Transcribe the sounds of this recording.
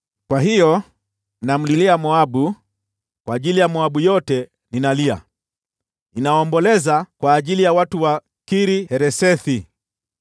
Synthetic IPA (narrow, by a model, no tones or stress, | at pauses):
kwaɦijɔ | nam̩liliamɔaɓu | kwaːʄilijamɔaɓujɔtɛ | ninalia̰ | inaɔːmbɔlɛzakwaːʄilijawatuwa | kiɾihɛɾɛsɛθi